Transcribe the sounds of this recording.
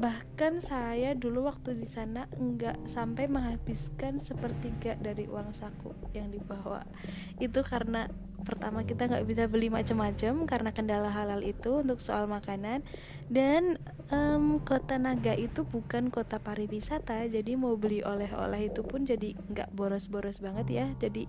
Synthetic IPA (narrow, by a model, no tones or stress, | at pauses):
bahkansajaduluwak̚t̪udisanaəŋɡaʔsampajməŋɦabɪskansəpərt̪iɡaʔdaɾiʔṵaŋsakṵʔjaŋdibawa̰ | it̪ukaɾəna | pərt̪amakit̪aŋɡaʔbisabəlimat͡ʃəmːat͡ʃəmkarənakəndalaɦalalit̪uunt̪ʊksoʔalmakanan | dan | əmkot̪anaɡaʔit̪ubukankot̪apaɾiwisat̪ad͡ʒadimabəliʔo̰lɛɦo̰lɛhit̪upʊnd͡ʒadi | ŋɡa̰ʔboɾɔsboɾɔsbaŋət̪jad͡ʒadi